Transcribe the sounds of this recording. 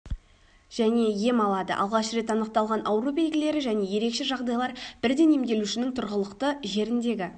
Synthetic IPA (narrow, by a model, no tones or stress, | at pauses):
ʒ̥æne̞je̞mɑlˠɑd̪ə̰ʔɑ̰lˠʁɑʃɾe̞t̪ɑnəq̚t̪ɑlˠʁɑnʔɑwɾube̞j̪ɡʲɪle̞ɾɪʒæne̞je̞ɾe̞kʃe̞ʒɑʁd̪ɑjlˠɑɾb̥ɪɾd̪e̞nemd̪e̞luʃɪnɪŋt̪ʰʊɾʁəlˠəqt̪əʒe̞ɾɪnd̪e̞ɡʲɪ